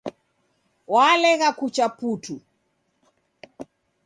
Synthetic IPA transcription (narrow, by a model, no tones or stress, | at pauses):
walɛɣakut͡ʃaputu